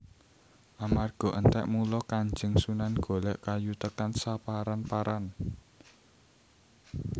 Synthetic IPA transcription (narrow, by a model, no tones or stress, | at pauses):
ʔamarɡ̥ɔ̤ʔənt̪ɛ̰ʔmulɔkaɲd͡ʒəŋsunanɡ̥o̤lɛʔkajut̪əkansapaɾanpaɾan